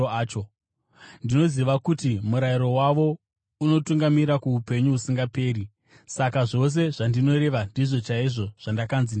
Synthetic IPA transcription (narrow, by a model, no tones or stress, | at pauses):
t͡ʃo | ndino̞ziʋakutimuɾaiɾo̞waʋo̞ | uno̞tuŋɡamiɾakuupe̞ɲuusiŋɡape̞ːɾi | sakaʐo̞s̬e̞ʐandino̞ɾe̞ʋandiʐo̞t͡ʃaiʐo̞ʐ̥andakanzin